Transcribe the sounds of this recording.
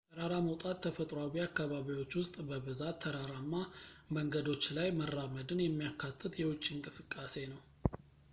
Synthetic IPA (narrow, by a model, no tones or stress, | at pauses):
əɾaɾaməwt̪ʼat̪ʰːəfət̪ʼɾoawiakːaβaβiwo̞t͡ʃːwʊst̪ʼbəβɨzat̪ʰːəɾaɾamːaməŋɡəd̪o̞t͡ʃːlajmərːaməd̪ɨnjɛmːijakʰːat̪ʰːɨt̪jɛwʊt͡ʃʼːiɨŋkʼɨsɨkʼːase̞nəw